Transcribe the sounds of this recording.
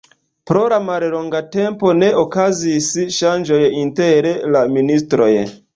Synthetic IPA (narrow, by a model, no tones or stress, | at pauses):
pɾo̞lamallo̞ŋɡate̞mpo̞ne̞ʔokazisʃand͡ʒo̞jinte̞ɾelaministɾo̞̰j